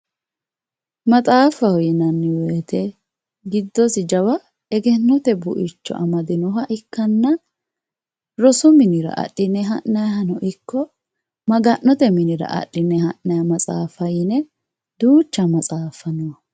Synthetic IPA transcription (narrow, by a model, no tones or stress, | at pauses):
mɐt͡sʼaːfɐhɔjɪnɐnːɪwɛːt̪ɛ | ɡɪd̪ːɔsɪd͡ʒɐwɐ | ɛɡɛnːɔt̪ɛbʊʔɪt͡ʃːɔ̰ʔɐmɐd̪ɪnɔɦɐʔɪkːɐnːɐ | ɾɔsʊmɪnɪɾɐ̰ʔɐ̰ɗːɪnːɛɦɐʔːɐjɐɦɐnɔʔɪkːɔ | mɐɡɐnːɔt̪ɛmɪnɪɾɐ̰ʔɐ̰ɗɪnːɛhɐʔɐjɐmɐt͡sʼa̰ːfɐjɪnɛ | d̪uːt͡ʃːɐmɐt͡sʼaːfɐnʊwɐ